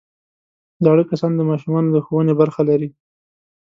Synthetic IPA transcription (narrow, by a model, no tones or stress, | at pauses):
zɑɽəkasɑnd̪əmɑʃumɑnod̪əxowənebaɾxalaɾi